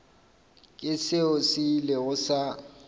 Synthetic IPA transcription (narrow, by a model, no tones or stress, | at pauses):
kʼɪsɪʊsɪlɪɣʊsa